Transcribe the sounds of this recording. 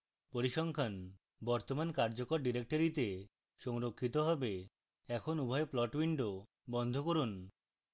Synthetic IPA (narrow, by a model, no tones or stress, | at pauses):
poɾiʃɔŋkʰan | bɔɾt̪omankaɾd͡ʑokoɾɖiɾek̚ʈoɾit̪e | ʃɔŋɾokʰːit̪oɦɔbe | ɛkʰonubʱɔeplɔʈbiɳɖo | bɔnd̪ʱokoɾun